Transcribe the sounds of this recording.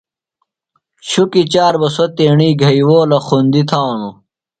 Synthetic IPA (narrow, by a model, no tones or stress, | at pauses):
ɕukit͡ɕaːɾbɐsot̪eːɳiːɡʱɐiwoːlɐxund̪it̪ʰaːnu